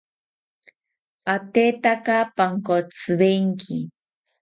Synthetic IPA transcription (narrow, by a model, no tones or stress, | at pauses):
at̪et̪akapaŋkot͡sɨbeŋkʰɪ